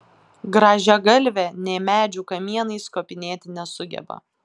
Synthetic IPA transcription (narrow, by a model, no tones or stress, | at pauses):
ɡɾɑːʒʲɛɡɐlʲʋʲɛnʲɛɪmʲæːd͡ʒʲuːkɐmʲiɛnɐɪskoːpʲɪnʲeːt̪ʲɪnʲɛsʊɡʲɛ̰bɐ̰